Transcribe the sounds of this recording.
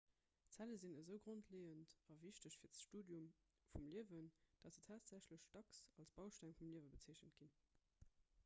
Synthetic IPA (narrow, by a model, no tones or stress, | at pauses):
t͡sæləzinəzəʊɡʁontʰleːəntɑviɕtəɕfiːɐtʃtuːdjum | fumliəvənd̥ɑtz̥ətʰaːtz̥æɕləɕd̥ɑksɑlsb̥ɑʊʃtæŋfumliəvəbət͡siəɕənt̚ɡ̥in